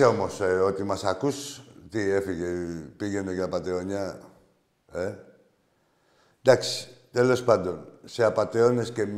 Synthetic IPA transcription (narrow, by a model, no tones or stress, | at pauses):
eomoseot̪imasakust̪iefiɣepiɣenekapat̪eoɲa | e | d̪akst̪elospad̪unseapat̪eoneskem